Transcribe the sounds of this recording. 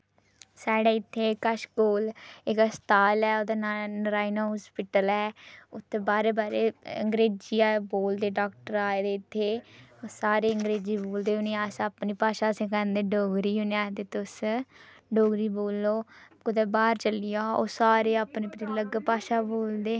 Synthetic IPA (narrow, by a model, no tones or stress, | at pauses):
saːɽaːɪt̪ʰːeːkəʃkoːlɪkst̪aːlɛːoːd̪aːnnəɾaːinaːɦɔːspɪʈəlɛːʊt̪ʰːeːbaːɾeːbaːɾeːəŋɡɾeːd͡ʒiːaːboːld̪eːɖaːkʈəɾaːed̪eːɪt̪ʰːeːsaːɾeːəŋɡɾeːd͡ʒiːboːld̪eːɦʊneːasaːpniːpaːʃaːsẽːkãnd̪eːɖoːɡɾiːɦʊneaːt̪eːt̪ʊs | ɖoːɡɾiːboːlːoːkʊd̪eːbaːɾt͡ʃəlijaːo̰ːsaːɾeːapneːpɾiləɡpaːʃaːboːld̪eː